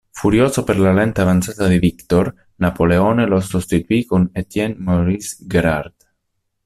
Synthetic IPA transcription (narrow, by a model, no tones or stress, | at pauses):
fuɾjoːsopeɾlalɛnt̪eavant̪sat̪ad̪ivikt̪oɾ | napoleoːnelosust̪it̪uikonet̪jɛnmoɾisɡeɾaɾd̪